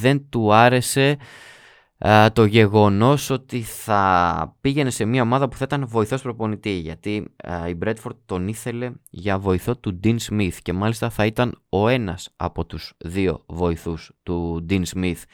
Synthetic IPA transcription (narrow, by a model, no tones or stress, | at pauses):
ðe̞nt̪uɐɾe̞se̞ | t̪o̞ʝe̞ɣo̞no̞so̞t̪iθɐpiʝe̞ne̞se̞miɐo̞mɐðɐpuθɐit̪ɐnvo̞iθo̞spɾo̞po̞nit̪iʝɐt̪iibɾe̞d̪fo̞ɾd̪t̪o̞niθe̞le̞ʝɐvo̞iθo̞t̪ud̪inzmiθce̞mɐlist̪ɐθɐit̪ɐno̞e̞nɐsɐ̰po̞t̪uz̥ðio̞̰vo̞iθust̪ud̪inzmiθ